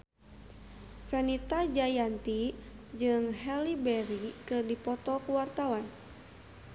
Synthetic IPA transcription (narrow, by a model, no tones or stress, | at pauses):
fɛnit̪ad͡ʒajant̪id͡ʒɨŋɦɛlibɛɾikɨrdipɔt̪ɔkuwart̪awan